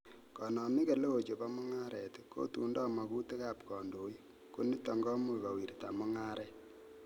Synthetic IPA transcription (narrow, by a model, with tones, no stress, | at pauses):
kɔ˨nɔ˨mi˦ke˨le˦o˨t͡ʃo˨pa˦mʊ˦ŋa˦ɾɛ˨tko̰˦tṵ˨ndɔ˦ma˨ku˦te˦ka˨pkɔ˨ndo˨˦j | ko˦ni˦tɔ˨ŋɡɔ˦mu˦ka˨wi˨ɾta̰˨mu˦ŋa˦ɾʔɛ˦